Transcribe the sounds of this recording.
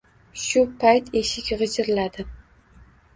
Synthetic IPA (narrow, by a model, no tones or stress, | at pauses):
ʃʊpʰajt̪ʰe̞ʃɪkʲʁɨd͡ʒɪɾlad̪̥ɪ